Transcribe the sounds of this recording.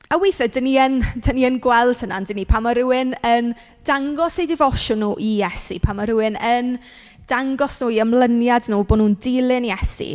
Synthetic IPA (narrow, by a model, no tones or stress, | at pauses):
awijθədəniəndʰəniənɡwɛlˠtʰəna̰ndənipʰaməɾʊwɪnən | d̥aŋɡɔsejdɪvɔʃɔnːuːʔijɛsḭpʰamɔɾʊwɪnən | d̥aŋɡɔsnuːiəmlˠənjadnuːboːnuːndɪlˠɪnijɛsḭ